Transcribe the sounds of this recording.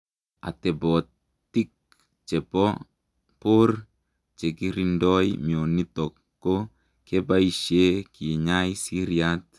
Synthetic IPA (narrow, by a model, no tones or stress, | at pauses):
a̰t̪ebɔt | t̪ik̚ | t͡ʃepɔ | por | t͡ʃekiɾindɔjmionitɔkːo | kebaiʃekʰiɲajsiɾiat